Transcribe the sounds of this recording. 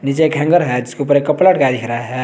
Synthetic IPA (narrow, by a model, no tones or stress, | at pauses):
nit͡ʃekʰɛ̃ŋɡəɾɦɛd͡ʒɪskeup̬əɾekːəplaʈkad̪ikʰɾaaɦɛ